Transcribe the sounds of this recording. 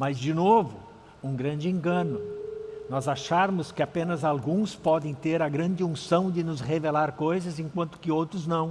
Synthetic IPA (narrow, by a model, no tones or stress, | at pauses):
mɐzd͡ʒɪnovʊ | ũŋɡɾɐ̃nd͡ʒɪẽŋɡɐ̃nʊnɔzaʃaɾmʊskɪapẽnɐzalɡũspɔd̪ẽj̃t̪eɾɐɡɾɐ̃nd͡ʒɪũsɐ̃w̃d͡ʒɪnʊzhevelaɾkojzɐzẽkwɐ̃nt̪ʊ̥kɪowt̪ɾʊznɐ̃w̃